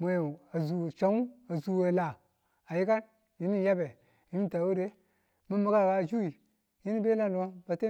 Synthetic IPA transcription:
mo˨jo˨a˨zu˨t͡ʃa˦u˦a˨zu˨we˨la˨ | a˨ji˦ka˦n | ji˦ni˦ja˦be˨ | ji˦ni˦ta˨wu˦ɾe˦ | mu˦mu˦ka˦˨ka˨˦˨d͡ʒu˦i˨ | ji˦ni˦be˦la˦n˨du˨a˦ba˨te˦

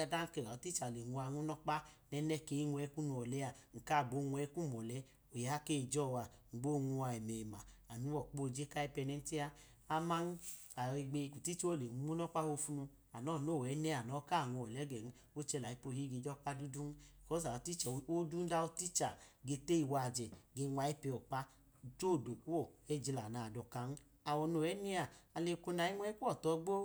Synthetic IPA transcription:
a˧da˦ŋ̩˦kɛ˧˨a˨o˨˦ti˦t͡ʃa˨le˨ŋu˧a˧ŋu˦nɔ˦k͡pa˦nɛ˧nɛ˦ke˧˦i˦ŋʷ˧ɛ˧˦ku˦nu˧ɔ˨lɛ˦a˨ŋ̩˨ka˦˨bo˨˧˦ŋʷ˧ɛ˧˦ku˦m˨ɔ˨lɛ˧˦ | o˨ja˨˦ke˦˨d͡ʒɔ˦˨wa˨ŋ̩˨ɡ͡bo˦˨ŋu˧wa˧ɛ˨mɛ˨ma˨a˨nu˨˦wɔ˨k͡po˦˨d͡ʒe˦ka˦ɛ˧pɛ˧nɛ˧n̩˦ti˦a˧ | a˧ma˦n˦ | a˨e˧ɡ͡be˧ku˨ti˦t͡ʃo˦˨le˨u˨˧˦u˦nɔ˦k͡pa˦ho˧fu˦nu˧ | a˨nɔ˦˨no˦˨ɛ˨˦nɛ˦a˨nɔ˨˦ka˦˨ŋu˧ɔ˨lɛ˨˦ɡɛ˨n̩˦ | o˦t͡ʃɛ˧la˨i˦po˧˨hi˦ɡe˧˨d͡ʒɔ˦k͡pa˦du˦du˦n˦i˨kɔ˦s̬a˨o˨˧ti˦t͡ʃɛ˨o˦du˦n˦da˧o˧˦ti˦t͡ʃa˨ɡe˧te˦i˧wa˧˨d͡ʒɛ˨ɡe˧ŋʷa˧˦i˦pɛ˧ɔ˨k͡pa˦ | d͡ʒo˦˨do˨ku˦o˦˨ɛ˦d͡ʒi˧la˨na˨dɔ˨ka˧˦n˦ | a˨wo˨no˨ɛ˦ni˦a˨a˨le˧˨˧ko˧na˧˨i˦ŋʷɛ˦i˦ku˦ɔ˦˨tɔ˧˦ɡ͡bo˦

